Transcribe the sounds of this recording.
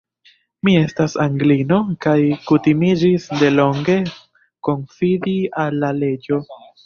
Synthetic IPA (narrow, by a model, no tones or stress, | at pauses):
mie̞stasaŋɡlino̞kajkutimid͡ʒisde̞lo̞ŋɡe̞ | ko̞nfidialːale̞d͡ʒo̞